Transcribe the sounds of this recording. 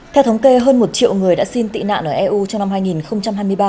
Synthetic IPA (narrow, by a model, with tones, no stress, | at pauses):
t̪ʰɛ˧wt̪ʰwŋ͡mke˧ɦəː˧nmo˨˩t̚t͡ɕḭ˧˨əwŋɨ˨˩əjɗa̰ː˧˥si˧nt̪ḭ˧˨na̰ː˧˨nʔəː˧˩ʔɛ˧ʔu˧t͡ɕɔ˧wŋ͡mna˧mɦaː˧jŋi˨˩nxə˧wŋ͡mt͡ɕa˧mhɦaː˧jmɨ˧əjɓaː˧